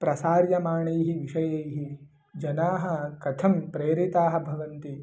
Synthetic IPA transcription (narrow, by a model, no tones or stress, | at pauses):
pɾɐsaːɾjɐmaːɳɐjɦiʋiʃɐjɐjɦi | d͡ʒɐnaːɦɐ̆kɐt̪ʰɐmpɾeːɾit̪aːɦɐ̆bʱɐʋɐnt̪i